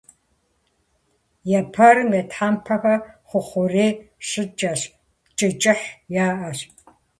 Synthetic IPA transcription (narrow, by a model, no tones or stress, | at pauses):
jɛpʰɐrmetħampʰɐxɐχʷʊχʷʊreːɕɨt͡ʃʼɐɕ | t͡ʃʼɪt͡ʃʼɪħjaːʔɐɕ